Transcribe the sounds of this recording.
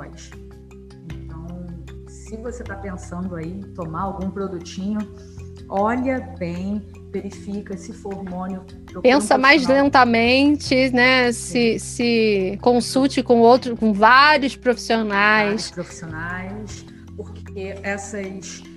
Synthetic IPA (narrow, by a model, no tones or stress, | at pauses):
ɔjʃ | ẽt̪ɐ̃w̃ | sɪvoset̪apẽsɐ̃nd̪ʊait̪omaawɡũpɾod̪ut͡ʃĩɲʊ | ɔʎɐbẽj̃ | veɾifikɐsɪfoɾoɾmõnʊ | pɾopẽssɐmajzlẽnt̪ɐmẽt͡ʃɪnɛsɪsɪkõsut͡ʃɪkõowt̪ɾʊkõvaɾjʊspɾofi̥sionajspɾofi̥sionajs | poɾkkeɛsɐs